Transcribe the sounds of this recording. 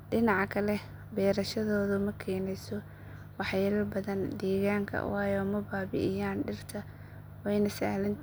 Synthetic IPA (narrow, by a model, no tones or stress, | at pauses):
ɖɪnɑʕɑkʰɐlɛ | bɛːɾɐʃɐðɔːðʊmɐkʰɛːnɛjsɔ | wɑħjɛːlɐbɐðɐnd̪ɛːɣaːŋkʰɐ̰wɑːjɔmɐbaːbɪ̰ʔɪjaːnɖɪrt̪ʰɐ | wɛjnɐsa̰ːlɐn